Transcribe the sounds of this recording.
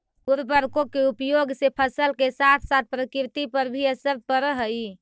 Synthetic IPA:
uɾbəɾkokeupjoɡsepʰəsəlkesat̪ʰsat̪̚pɾəkɾt̪ipəɾbʱiəsəɾpəɾəɦə

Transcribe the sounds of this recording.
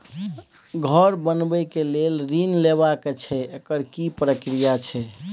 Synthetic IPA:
ɡʱəɾbənbɛkelelɾinlebaket͡ʃʰɛekəɾkipɾəkɾijat͡ʃʰɛ

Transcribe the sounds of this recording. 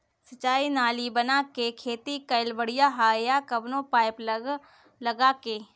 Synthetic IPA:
sɐt͡ʃaːinaːlibɐnakekʰeːt̪ikɐɪlbəɽ̤ijaɦaːjakɐbnõpaːɪpləɡ | lɐɡakeː

